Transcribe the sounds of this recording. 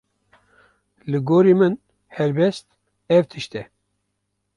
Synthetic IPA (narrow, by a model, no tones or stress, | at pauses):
lɨɡoːɾiːmɨn | hɛlbɛst̪̚ | ɛvt̪ʰɨʃt̪ɛ